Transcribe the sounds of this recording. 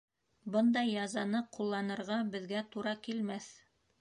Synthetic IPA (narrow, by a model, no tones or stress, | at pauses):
bɤnd̪ɑjːɑzɑnɤqulˠːɑnɤ̆ɾʁɑbɘ̆ðɡæt̪uɾɑkilmæθ